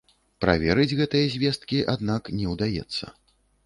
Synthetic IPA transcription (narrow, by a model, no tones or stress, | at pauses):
pɾa̰vʲɛɾɨd͡zʲɣɛt̪ɨjɐzʲvʲɛst̪̚kʲiʔad̪naknʲɛwd̪ajɛ̰t̪sːɐ̰